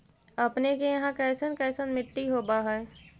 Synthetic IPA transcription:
əpnekejɐɦãkɛːsənkɛːsənmɪʈːiɦoːbaɦɛː

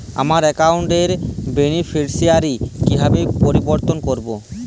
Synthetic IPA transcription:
a̰maɾɛkawɳʈeɾbenifʰeɾsiaɾikibʱabepoɾiboɾt̪onkoɾbo

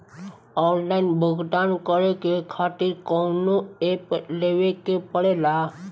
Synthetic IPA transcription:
ɔːnlaɪnbʱəɡʱɖ̪ankəɾekekʰat̪iɾkɔnoepleʋekepəɽela

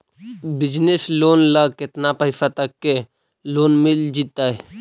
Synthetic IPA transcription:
bɪd͡ʒnesloːnləɡkɪt̪napəɪsat̪əkːe | loːnmɪld͡ʒit̪ːaɦɛ

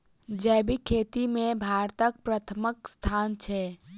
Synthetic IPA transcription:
d͡ʒɛːbʱikʰeːt̪imẽbʱaːɾt̪ək̚pɾət̪ʰəməkst̪ʰaːnt͡ʃʰɛ

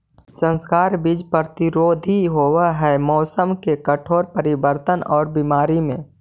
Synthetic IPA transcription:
sə̃nskaːɾbiːd͡ʒpəɾt̪iɾoːd̪ʱiɦoːwaɦɛmɔːsəmkekəʈʰoːɾpəɾɪbəɾt̪ənɔːɾbimaːɾimẽː

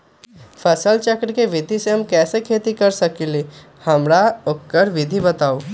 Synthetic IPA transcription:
fɐsəlt͡ʃəkɾkeʋɪd̪ʱiseɦɐmkɛːsekʰeːt̪ikɐɾsɐkeleː | hɐmɾaokːəɾʋɪd̪ʱibɐt̪aːoː

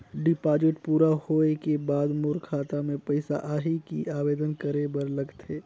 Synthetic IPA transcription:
ɖɪpaːd͡ʒɪʈpuːɾahoːekebaːd̪mʊɾkʰaːt̪amẽpɐɪsa̰ʔaːɦikḭaːʋeːd̪ənkəɾebəɾlɐɡt̪eː

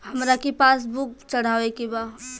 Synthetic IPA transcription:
hɐmɾakepaːs̬bʊk̚t͡ʃɐɽ̤aːʋekibaː

